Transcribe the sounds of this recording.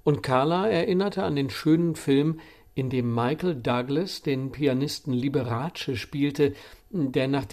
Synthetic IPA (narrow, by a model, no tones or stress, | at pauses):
ʔʊntkʰaɐlaɛɐʔɪnɐtʰəandeːnʃøːnənfɪlm | ʔɪndeːmːaɪkl̩daɡlɛsd̥eːnpʰianɪstn̩libəʁaːt͡ʃəʃpiːltədeːɐnaːχd̥